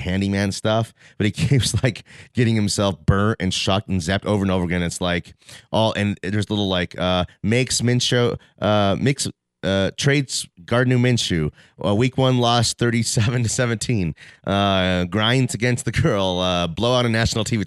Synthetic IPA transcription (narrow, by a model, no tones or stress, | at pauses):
hæ̃ndimæ̃nstʌfb̥ʌɾikʰipslaɪkɡ̥ɛɾɪ̃ŋhɨ̃msɛlˠfb̥ɜ̃˞ntɨ̰̃nʃɑk̚tn̩zɛp̚toʊvə˞ɨ̃noʊvə˞ɡɛ̃nɨtslaɪkʔɔlˠʔɨ̃nðə˞zəlɪɾl̩ˠlaɪkʰʌmeɪksmɪ̃nʃoʊ | ʔʌmɪks | ʌtʰɹ̥eɪdz̥ɡ̥ɑɹdⁿn̩ʉmɪ̃nʃʉ | ʔəwikwʌ̃nlɔst̚θɜ˞ɾisɛvɨ̃ntʰɨsɛvɨ̃ntʰĩnʔʌɡɹãɪ̃ndzɨɡɛ̃nst̪̚ðɨɡɜ˞lˠʌbloʊaʊɾɨnæʃn̩l̩ˠtʰivi